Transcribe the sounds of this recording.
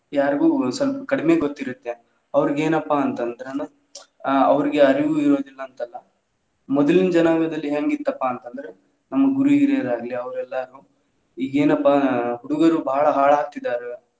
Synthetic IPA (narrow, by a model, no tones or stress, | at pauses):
jaːɾɡuːsɐlpɐkɐɽime̞ːɡot̪ːiɾut̪ːe | ɐʋɐɾiɡe̞ːnɐpːaːnt̪ɐnd̪ɐɾen | ɐʋɐɾiɡeɐɾiʋuiɾo̞ːd̪ilːɐnt̪ɐlːɐ | mɔd̪ɐlind͡ʒɐnaːɡɐd̪ɐlːiɦeːŋɡit̪ːɐpːaːnt̪ɐnd̪ɐɾe | nɐmːɐɡuɾuiɾeɐɾaːɡliɐʋɐɾɛlːɐɾuː | iːɡe̞ːnɐpːaɦuɽuɡɐɾubaːɭɐɦaːɭaːk̚t̪id̪ːaːɾe